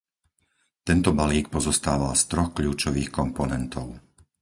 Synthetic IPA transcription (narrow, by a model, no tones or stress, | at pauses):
t̪ɛnt̪ɔbaliːk̚pɔzɔst̪aːʋast̪ɾɔxkʎuːt͡ʃɔʋiːxkɔmpɔnɛnt̪ɔʊ